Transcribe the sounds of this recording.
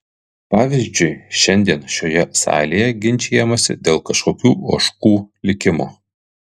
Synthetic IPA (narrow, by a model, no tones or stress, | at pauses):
pɑːʋʲɪzʲd͡ʒʲʊɪʃʲɛnʲd̪ʲiɛnʃʲoːjɛsɑ̰ːlʲejɛɡʲɪnʲˑt͡ʃʲeːjɛmɐsʲɪ̰d̪ʲeːlˠkɐʃkoːkʲuːoːʃkuːlʲɪkʲɪmoː